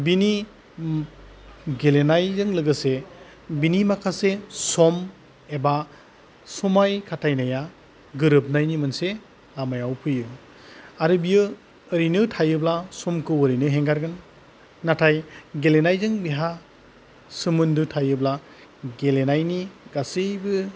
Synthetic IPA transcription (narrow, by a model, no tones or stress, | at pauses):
bini | ɡelenajzɯŋlɯɡɯse | binimakʰasesɔm | eba | sumajkʰatʰajnaja | ɡɯɾɯp̚najnimɯnse | lamajawpʰɯjɯ | aɾɯbijɯ | ɯɾinɯtʰajɯblasɔmkʰɯwɔɾinɯɦeŋɡaɾɡɯnː | atʰajɡelenajzɯŋbiɦa | sɯmɯndɯtʰajɯbla | ɡelenajniɡasejbɯ